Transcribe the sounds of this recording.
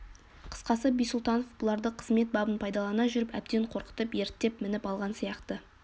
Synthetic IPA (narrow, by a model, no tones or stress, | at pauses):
qʰə̥sqɑsəbijsʊlˠt̪ɑno̞fbʊlˠɑɾd̪əqʰəzme̞t̪̚bɑbənpʰɑjd̪ɑlˠɑnɑʒʏɾɪpæ̰b̚d̪e̞ɴqʰo̞ɾqə̥t̪əpje̞ɾt̪ːe̞pmɪnɪpɑlˠʁɑnsijɑqt̪ə